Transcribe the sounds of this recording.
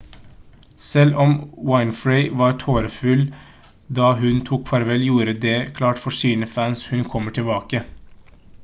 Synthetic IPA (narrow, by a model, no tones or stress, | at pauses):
sɛlɔmwaɪnfɹeɪʋɑːɾʈʰoːɾəfʉl | d̪ɑːɦʉnt̪ʰuːkʰfɑɾʋɛljuːɾəd̪eːkʰlɑːʈfɔʂiːnəfæːnshʉnkʰɔmːəʈʰɪbɑːkə